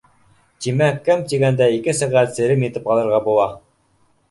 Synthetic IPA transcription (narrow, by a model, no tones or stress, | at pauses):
t̪imækæmt̪iɡænd̪æikɘsæʁæt̪sɘ̆ɾɘmjɘ̆t̪ɘpɑlˠɤ̆ɾʁɑbulˠɑ